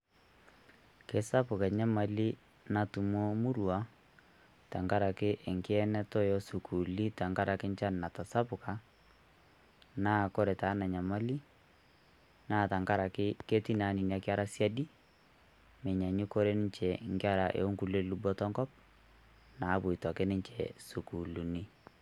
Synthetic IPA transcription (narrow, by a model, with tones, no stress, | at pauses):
ke˦sa˦pʊ˨ka˨ɲa˦ma˨li˦ | na˨tu˨mo˦mu˦ɾu˨a˦ | ta˨ŋka˦ɾa˨kɪ˦ʔɪ˨ŋkɪ˦ɛ˦nɛ˦tɔ˦jɔ˦su˨kʰu˨li˦ta˨ŋka˦ɾa˨kɪ˦ɲt͡ʃa˦n˨na˨ta˨sa˦pʊ˨ka˨ | na˦kɔ˦ɾɛ˨ta˨˦na˨ɲa˨ma˦li˦ | naː˦˨ta˨ŋka˦ɾa˨kɪ˦ke˦ti˦na˨˦ni˨na˨kɪ˦a˦ɾa˦sja˦di˦ | mɛ˨ɲa˨ɲi˦ko˦ɾe˦nɪ˦ɲt͡ʃɛ˨ŋkɪ˦a˦ɾa˨ʔḛ˨o˦ŋku˦le˦lu˦bɔ˦tɔ˦ŋkɔ˦p̚ | na˨˦bʊ˨i˨tɔ˨kɪ˦nɪ˦ɲt͡ʃɛ˨su˨ku˨lu˨ni˦